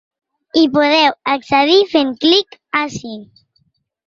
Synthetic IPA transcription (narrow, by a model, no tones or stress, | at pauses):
ipoðɛwaksəðifeŋklikasi